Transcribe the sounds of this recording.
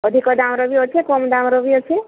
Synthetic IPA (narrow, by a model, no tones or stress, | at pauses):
ɔd̪ʱikɔd̪amɾɔbiɔt͡ʃʰekɔmd̪amɾɔbiɔt͡ʃʰe